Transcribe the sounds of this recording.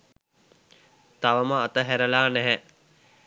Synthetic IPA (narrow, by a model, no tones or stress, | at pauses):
t̪aʋəməat̪əɦæɾəlaːnæɦɛ